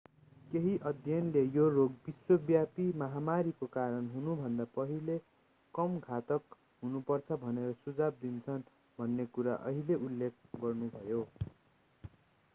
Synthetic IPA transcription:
keɦiʔʌd̪ʱjʌnlejoroɡbiswʌbjapimʌɦamaɾikokaɾʌnɦunubʱʌnd̪apʌɦile | kʌmɡʱat̪ʌk | ɦunupʌrt͡sʰʌbʱʌneɾʌsud͡zab̚d̪int͡sʰʌn | bʱʌnːekuɾa̰ʔʌ̰ɦileʔulːek̚ʰɡʌrnubʱʌjo

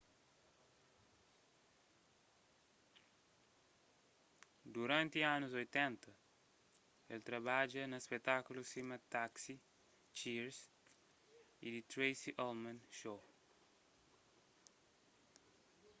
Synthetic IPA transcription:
d̪uɾãnt̪ianuzojt̪ɛ̃nt̪ɐ | elt̪ɾɐbad͡ʒɐnɐspet̪akulusimɐt̪aksi | t͡ʃiɾs | id̪it̪ɾejsiʔolmɐnʃo

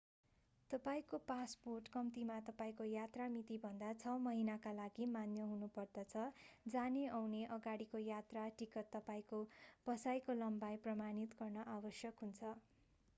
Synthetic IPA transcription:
t̪ʌpaĩkopasporʈkʌmt̪imat̪ʌpaĩkojat̪ramit̪ibʱʌnd̪at͡sʰʌmʌɦinakalaɡimanjʌɦunupʌrd̪ʌt͡sʰʌd͡zaneʌwneʔʌɡaɽikojat̪raʈikʌt̪ːʌpaĩkopʌsajkolʌmbajprʌmanit̪ɡʌrnʌʔabʌsjʌkɦunt͡sʰʌ

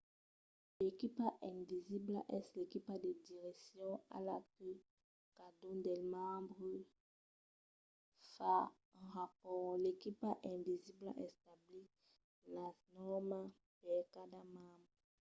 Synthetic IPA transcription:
lekipaʔɛ̃viziblaʔɛslekipad̪ed̪iʁɛksjɔ̃a̰lakø | kad̪ɔ̃d̪ɛlmãbʁə | fã | ʁapɔlekipaʔɛ̃vizibla̰ʔɛst̪abli | lanɔʁma | pɛkad̪amãbʁ

